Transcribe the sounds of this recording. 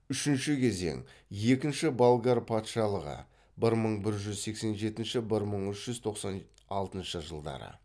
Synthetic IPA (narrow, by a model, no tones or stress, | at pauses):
ʏʃɪnʃɪkʲʰe̞ze̞̰ŋje̞kʲɪnʃɪbalˠɡaɾpʰɑt̪ʃɑlˠəʁə̰ | bɪɾməɴbɪɾʒʏzse̞kse̞nʒe̞t̪ɪnʃɪbɪɾməɴʏʃʒ̥ʏzt̪ʰo̞qsɑn | ɑlˠt̪ənʃəʒəlˠd̪ɑ̰ɾə̰